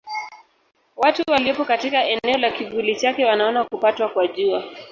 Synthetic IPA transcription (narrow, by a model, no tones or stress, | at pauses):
watuwaliɔpɔkatikaɛnɛɔlakiɡulit͡ʃakɛwanaɔnakupatwakwaʄua